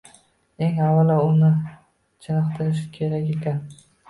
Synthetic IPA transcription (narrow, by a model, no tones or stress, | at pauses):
e̞ŋavːalaʊnɪ | t͡ʃʰɪnɨqt̪ʰɪɾɪʃkʲʰe̞ɾakʲe̞kʲan